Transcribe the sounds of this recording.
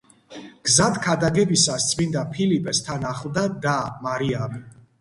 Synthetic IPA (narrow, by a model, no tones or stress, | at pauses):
ɡ̥zat̪ʰkʰad̪aɡɛbisast̪sʼʰmind̪apʰilipʼɛst̪ʰanaχlˠd̪ad̪amaɾiami